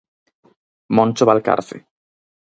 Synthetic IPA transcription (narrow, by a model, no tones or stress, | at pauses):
mõnʲt͡ʃoβalka̰ɾθḭ